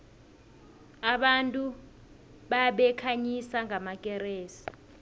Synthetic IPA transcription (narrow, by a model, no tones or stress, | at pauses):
aɓantʼu | ɓaɓɛkʰaɲisaŋʱamak̬ʼɛreːsi̥